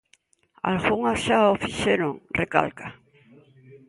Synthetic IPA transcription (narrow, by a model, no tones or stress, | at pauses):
a̰lɣuŋaʃaofiʃeɾoŋreka̰lka